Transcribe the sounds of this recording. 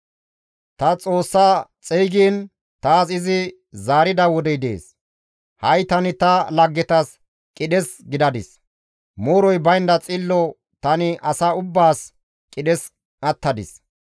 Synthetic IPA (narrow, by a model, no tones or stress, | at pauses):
t̪ɐt͡sʼo̞ːsːaːt͡sʼijɡiːn | t̪aːsɪzɪ | zaːɾɪd̪ɐwɔd̪ɛjd̪ḛːs | hɐjt̪ɐnɪt̪ɐlɐɡːɛt̪ɐs | kʼɪdɛsɡɪd̪ɐd̪ɪs | moːɾɔjbɐjnd̪ɐt͡sʼɪlːɔ | t̪ɐnɪʔɐsaːʊbːaːs | kʼɪɗɛs | nɐt̪ːɐd̪ɪs